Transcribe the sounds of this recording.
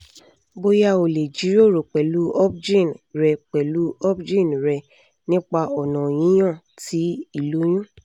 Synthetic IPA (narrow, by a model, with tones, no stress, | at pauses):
bo˦˧ja˧o˨le˨d͡ʒi˨˦ɾo˦˨ɾo˨k͡pɛ˨lu˨˦ɔ˦p̚d͡ʒĩ˦˨nɾɛ˧k͡pɛ˨lu˨˦ɔ˦pd͡ʒĩ˦˨nɾɛ˧ | nĩ˦k͡pa˧ɔ˨nɔ̃˨j̃ĩ˨˦j̃ã˦˨ | ti˨˦i˦˨lo˨˦j̃ũ˦